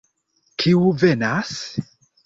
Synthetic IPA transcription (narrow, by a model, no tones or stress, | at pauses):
kʰiuvɛnas